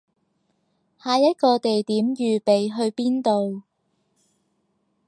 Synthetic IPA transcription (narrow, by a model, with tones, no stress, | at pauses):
haː˨˧jɐ˥t̚kɔː˧t̪e˨jt̪iː˨˥mjyː˨pe˨jɦɵ˧ɥpiː˥nt̪o˨w